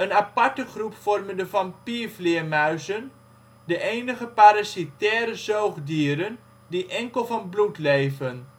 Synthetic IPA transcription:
ənapatəχrupfɔrməndəvɑnpiəflɪəmœɥzən | dəʔejnəχəpaɾasitɛːɾəzowχdiəɾən | diʔɛŋkəlˠvɑnblutlejvən

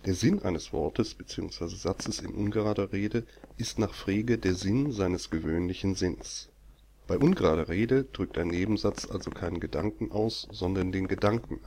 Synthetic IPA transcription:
d̥eːɐzɪnʔa̰ɪnəsv̥ɔ̰ɐtəsb̥ət͡siːʊ̰ŋsv̥aɪzəzat͡səsɪ̰nʔʊ̰nɡəʁaːdɐʁeːdəʔɪstnaːχfʁ̥eːɡədeːɐzɪnzaɪnəsɡ̥əvøːnlɪçn̩zɪns | b̥aɪʔʊnɡəʁaːɾɐʁeːdəd̥ʁʏk̚taɪnːeːbm̩zat͡sʔa̰lzokʰaɪnəɡədaŋkŋ̩ʔa̰ʊsz̥ɔndɐndeːnɡədaŋkŋ̩

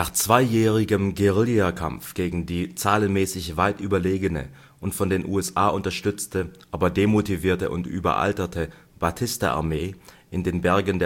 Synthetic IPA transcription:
naːχt͡sv̥aɪjɛːʁ̞ɪɡəmɡeʁɪliakʰa̰mfɡ̥eːɡŋ̩diːt͡saːlənmɛːsɪçv̥aɪtʔyːbɐleːɡənə̰ | ʔʊntfɔndeːnʔṵːɛsʔaːʔʊntɐʃtʏt͡stəʔaːbɐdeːmotiviːɐtəʔʊ̰ntʔy̰ːbɐ̰ʔa̰ltɐtʰəb̥atʰɪstɐʔa̰ɐmeː | ʔɪndeːnbɛɐɡən̩deː

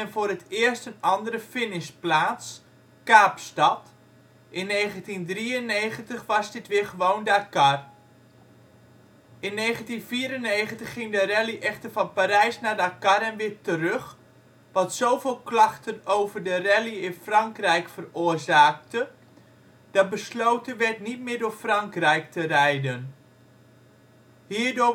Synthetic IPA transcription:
ɛnfoːrətɪːərstənɑndəɾəfɪnɪsplaːts | kaːpstɑt | ʔɪnːejɣəntindriənejχəntəχʋɑzdɪtʋɪəχəʋowndakar | ʔɪnːejχəntinfiːɾənejχəntəχːɪŋdərɛliʔɛxtərfɑnpaɾɛjsnaːdakarɛnʋɪtərøχ | ʋɑtsowvɪːlˠklɑχtənowvərdərɛliɪnfrɑŋkrɛjkfərʊːrzaːk̚tə | d̥ɑt̚bəslowtənʋɛtnit̚mɪːdʊːɹfrɑŋkrɛjktərɛjdən | hiːɹdʊ

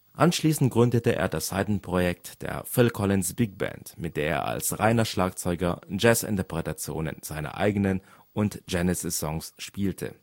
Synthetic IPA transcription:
ʔanʃliːsn̩t̚ɡ̥ʁʏndətəʔḛːɐdashaɪtn̩pʁ̥ojɛk̚td̥ḛːɐfɪlkʰɔlɪnsb̥ɪk̚b̥ɛ̰ntmɪt̚d̥eːɐḛːɐa̰lsʁaɪnɐʃlaːkt͡sɔʏɡɐd͡ʒɛsɪ̰ntɐpʁ̥ɛtat͡sjo̰ːnə̰nz̥aɪnɐ̰ʔa̰ɪɡənən | ʊntd͡ʒɛnəsəzɔŋsʃpiːltʰə̰

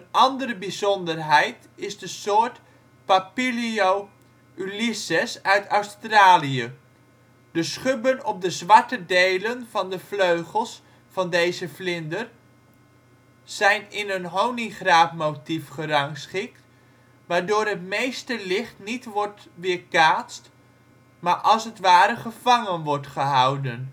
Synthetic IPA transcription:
ənɑndəɾəbizɔndərɦɛjt | ɪzdəsoːt | papiliow | ylisɛsœɥtœɥstraːliə | d̥əsχøbənɔp̚dəzʋɑɹtədejlənvɑndəfløɥχəlˠs | fɑndejzəflɪndər | z̥ɛjnɪnənɦowniχraːpmowtifχərɑŋsχɪkt | ʋaːɹdʊːɾɦətmejstəlɪχtnitʋɔɹtʋɪːɹkaːtst | maːɹʔɑlˠsətʋaːɾəχəv̥ɑŋənʋɔɹtχəɦɑwdən

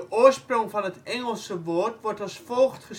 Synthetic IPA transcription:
əʔʊərsproŋfɔnətɛŋəlˠsəʋortʋɔrtɔsfoːxtχəs

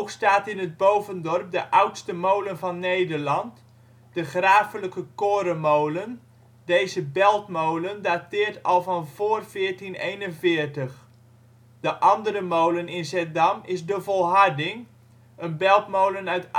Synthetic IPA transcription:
owkstaːtɪnəd̚bowvəndɔrp̚dəʔʌwtstəmowlənvɑnːejdərlɑnt | d̥əχraːfələkəkoːɾəmowlən | dejzəbɛlˠtmowləndaːtɪːərtɔlˠvɑnv̥oːrfɪːərtinejnənvɪːrtəx | d̥əʔɑndəɾəmowlənɪnsɛdamɪsdəvɔlˠɦardɪŋ | ʔənbɛlˠtmowlənœɥt

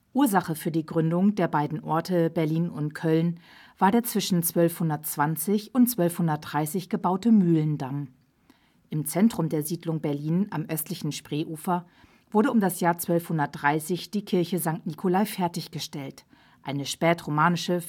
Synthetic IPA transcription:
ʔuːɐzaχəfyːɐdiːɡʁʏndʊŋdeːɐbaɪdn̩ʔɔɐtʰəbɛɐliːnʊntkʰœln | v̥aːɐdeːɐt͡sv̥ɪʃn̩t͡sv̥œlfhʊndɐtt͡sv̥ant͡sɪçʊntt͡sv̥œlfhʊndɐt̚d̥ʁaɪsɪçɡ̥əbaʊtəmyːləndam | ʔɪmt͡sɛntʁ̥ʊmdeːɐziːdlʊŋbɛɐliːnʔa̰mʔœstlɪçn̩ʃpʁ̥eːʔuːfɐ | v̥ʊɐɾəʊmdasjaːɐt͡sv̥œlfhʊndɐt̚d̥ʁaɪsɪçd̥iːkʰɪɐçəzaŋk̚tnikʰolaɪfɛɐtɪçɡ̥əʃtɛlt | ʔaɪnəʃpɛːtʁomaːnɪʃə

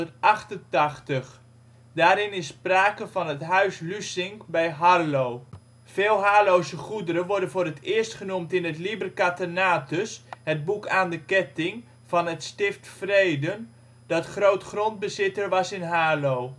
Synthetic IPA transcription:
ərtʔɑχtəntɑχtəχ | daːɾɪnɪsːpraːkəvɑnɦətɦœɥslysɪŋkbɛjɦarlow | v̥ɪːlˠɦaːlowzəχudəɾənʋɔɹdənvoːɾətɪːərstχənumtɪnətlibərkatənaːtəshəd̚bukʰaːndəkɛtɪŋ | v̥ɑnɦətstɪftfrejdən | dɑtχrowtχrond̚bəzɪtəɹʋɑsɪnɦaːlow

